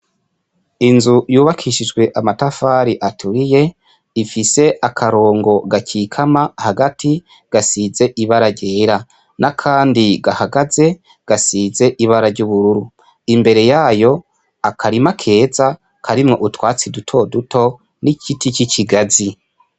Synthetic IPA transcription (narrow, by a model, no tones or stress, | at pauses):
inzujuːβakʰiʃid͡ʒɡwe̞ʔamatafaːɾiʔatʰuɾije̞ | ifise̞ʔakʰaɾo̞ːŋɡo̞ɡaciːkʰamahaɡatʰi | ɡ̥asize̞ʔiβaɾaɾɟe̞ːɾa | nakʰaːndiɡahaɡaze̞ | ɡ̥asiːze̞ʔiβaɾaɾɟuβuɾuɾu | imbe̞ɾe̞jaːjo̞ | akʰaɾimakʰe̞ːza | kʰaɾimŋo̞ʔutwaːt͡sidutʰo̞dutʰo̞ | nicitʰicicʰiɡazi